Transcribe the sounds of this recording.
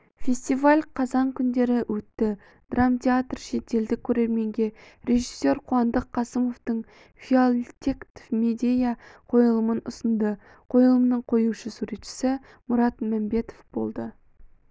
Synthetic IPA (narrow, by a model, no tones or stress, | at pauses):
fʲe̞sʲt̪ivalʲqʰɑzɑŋkʲʰʏnd̪e̞ɾɪwʔɵt̪ːɪ | d̪̥ramt̪ʰʲeat̪rʃe̞t̪e̞ld̪ɪkʲʰːɵɾe̞ɾme̞ŋɡʲe̞ɾʲe̞ʒisːe̞ɾqʰuɑnd̪əqʰːɑsəmo̞ft̪əɴ | fʲiolʲt̪ʲekt̪fmed̪ʲejaqʰo̞jəlˠəmənʊ̰sənd̪ə | qʰo̞jəlˠəmənəɴqʰo̞juʃəsuɾe̞t̪ʃɪ̥sɪ | mʊɾɑt̪mæmbe̞t̪o̞fb̥o̞̰lˠd̪ə